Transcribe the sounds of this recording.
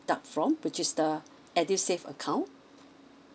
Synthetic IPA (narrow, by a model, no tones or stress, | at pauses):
dapfɹɔ̃mwɪt͡ʃɪsdə | ɛdisefə̰kʰãʊ̃n